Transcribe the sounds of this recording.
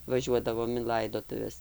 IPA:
ʋɐˈʒʲuɔdɐʋoːm ɪn ˈlˠɐɪdoːtʊʋʲɛs

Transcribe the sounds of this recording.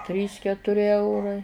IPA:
ˈtʲrʲiːs kʲɛtʊˈrʲɪ ˈɛʊrɐɪ

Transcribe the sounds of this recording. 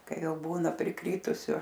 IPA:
ˈkɐɪ ˈjɛʊ ˈbuːnɐ pʲrʲɪˈkrʲiːtʊsʲʊ

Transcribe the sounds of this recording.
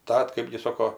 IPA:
ˈtɐt ˈkɜbʲɡʲɪ ˈsoːkoː

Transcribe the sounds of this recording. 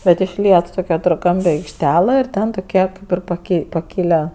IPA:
bʲɛt ɪʃʲˈlʲiɛt ˈtoːkʲ kʲɛtoːrˈkɐmʲpʲɛ ɐɪkʃʲˈtʲæːlˠɐ ɪr ˈtʲɛ tʊˈkʲiɛ ˈkɐɪp ɪr pɐˈkʲɛɪ pɐkʲɪˈlˠɐ

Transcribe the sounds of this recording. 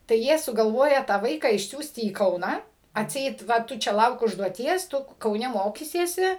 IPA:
tɐɪ ˈjiɛ sʊɡɐlˠˈʋoːjɛ tɑː ˈʋɐɪkɑː ɪʃʲˈsʲuːsʲtʲɪ iː ˈkɐʊnɑː ɐtʲˈsʲɛɪt ˈʋɐ ˈtʊ ˈt͡ʃʲɛ ˈlˠɐʊk ʊʒduɔˈtʲiɛs ˈtʊ kɐʊˈnʲɛ ˈmoːkʲiːsʲiɛsʲɪ

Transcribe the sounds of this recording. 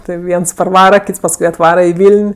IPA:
ˈtɜ ˈʋʲiɛns pɐrˈʋɑːrɐ ˈkʲiːts pɐsˈkʊɪ ɐtˈʋɑːrɐ ɪ ˈʋʲiːlʲnʲ

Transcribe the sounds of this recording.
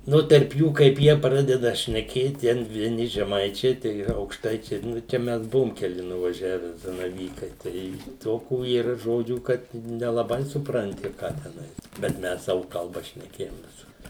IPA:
ˈnʊ tʲɛrp ˈjuː kɐɪp ˈjiɛ ˈprɑːdʲɛdɐ ʃʲnʲɛˈkʲeːt ˈtʲɛn ʋʲiɛˈnʲɪ ʒʲɛˈmɐɪt͡ʃʲɛɪ ˈtɐɪ ɐʊkʃˈtɐɪt͡ʃʲɛɪ ˈnʊ t͡ʃʲɛ ˈmʲɛs ˈbʊʋʊm kʲɛˈlʲɪ nʊʋɐˈʒʲæːʋʲɛ zɐnɐˈʋʲiːkɐɪ ˈtɐɪ ˈtoːkuː iːˈrɐ ˈʒoːd͡ʒʲuː ˈkɐt ɪ nʲɛlˠɐˈbɐɪ sʊprɐnʲˈtʲɪ ˈkɑː tʲɛˈnɐɪ bʲɛt ˈmʲɛs ˈsɑːʋʊ kɐlˠˈbɐ ʃʲnʲɛˈkʲeːjoːm ˈʋʲɪsʊr

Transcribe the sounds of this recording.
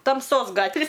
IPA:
tɐmˈsoːs ˈɡɑːtʲʋʲɪ

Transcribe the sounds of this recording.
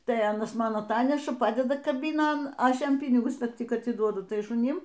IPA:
tɐɪ ˈɑːnɐs ˈmɐn ɐˈtɑːnʲɛʃɐ ˈpɑːdʲɛdɐ kɐˈbʲiːnoːn ˈɐʃ ˈjɛm ˈpʲiːnʲɪɡʊs ˈtʲɪk ɐtʲɪˈduɔdʊ ˈtɐɪ ʃʊˈnʲɪm

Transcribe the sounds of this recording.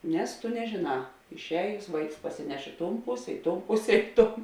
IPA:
ˈnʲɛs tʊ nʲɛʒʲeːˈnɑː ɪʃʲˈɛːjʊs ˈʋɐɪks pɐsʲɪˈnʲɛʃ ˈɪ ˌtoːn ˈpʊsʲɛ ˈɪ ˌtoːn ˈpʊsʲɛ ˈɪ ˌtoːn

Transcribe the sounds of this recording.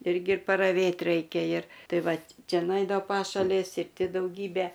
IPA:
ˈɪrʲɡʲɪ pɐrɐˈʋʲeːt ˈrɐɪkʲɛ ɪr ˈtɐɪ ˈʋɐt ˈt͡ʃʲɛ nʊˈɛɪdɐʋoː ˈpɑːʃɐlʲeːs ɪr ˈtʲɪ dɐʊˈɡʲiːbʲɛ

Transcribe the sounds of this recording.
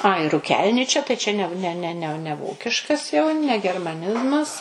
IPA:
ɐɪ rʊˈkʲɛlʲnʲɪt͡ʃʲɛ t͡ʃʲɛ tɐɪ t͡ʃʲɛ ˈnʲɛ ˈnʲɛ nʲɛ ˈnʲɛ nʲɛ ˈʋoːkʲɪʃkɐs jɛʊ nʲɛ ɡʲɛrmɐˈnʲɪzmɐs

